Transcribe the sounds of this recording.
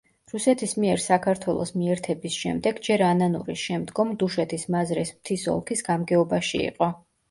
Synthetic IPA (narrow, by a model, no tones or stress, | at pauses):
ɾusɛt̪ʰismiɛɾsakʰaɾt̪ʰwɛlˠɔ̰smiɛɾt̪ʰɛbisʃɛmd̪ɛɡd͡ʒɛɾananṵɾiʃɛmd̪ɡɔmd̪uʃɛt̪ʰismazɾɛsmt̪ʰisɔ̰lˠkʰisɡamɡɛɔbaʃiḭqʼɔ